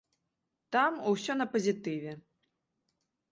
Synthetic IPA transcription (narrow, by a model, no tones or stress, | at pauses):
t̪amuwsʲɔnɐpɐzʲit̪ɨvʲɛ